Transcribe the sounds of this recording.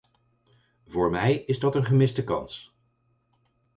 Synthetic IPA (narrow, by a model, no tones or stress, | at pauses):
vʊːɹmɛjɪzdɑtənχəmɪsdəkɑ̰ns